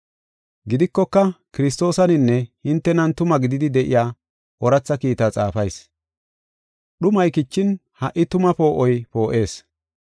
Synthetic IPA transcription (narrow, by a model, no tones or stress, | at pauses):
ɡɪd̪ɪkːɔkːɐkɪɾɪs̬t̪o̞ːsɐnɪnːɛhɪnt̪ːɛnɐnt̪ʊmɐɡɪd̪ɪd̪ɪd̪ɛʔɪjaː | ʔɔɾɐt͡sːɐkiːt̪ɐt͡sʼaːfɐjs | ɗʊmɐjkɪt͡ʃːɪn | hɐʔːɪt̪ʊmɐpo̞ːʔɔjpo̞ːʔe̞ːs